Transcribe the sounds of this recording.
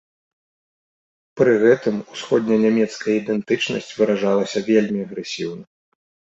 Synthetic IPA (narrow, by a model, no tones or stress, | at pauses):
pɾɨɣɛt̪ɨmusxɔd̪ʲnʲɐnʲamʲɛt̪skɐjɐid̪ɛnt̪ɨt͡ʂnɐ̰sʲt͡sʲvɨɾaʐalˠɐsʲɐvʲelʲmʲiɐɣɾɛsʲiwnɐ